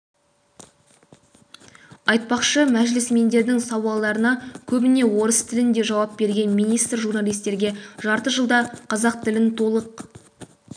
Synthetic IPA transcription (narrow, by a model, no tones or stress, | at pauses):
ɑjt̪̚pɑqʃəmæʒlɪsme̞nd̪e̞ɾd̪ɪŋsɑwɑlˠd̪ɑɾənɑkʲʰɵbɪne̞wo̞ɾəst̪ʰɪlɪnd̪e̞ʒɑwɑp̚be̞ɾɡʲe̞nmijnijst̪rʒurnalijst̪e̞ɾɡʲe̞ʒɑɾt̪əʒəlˠd̪ɑqʰɑzɑq̚t̪ʰɪlɪnt̪ʰo̞lˠəq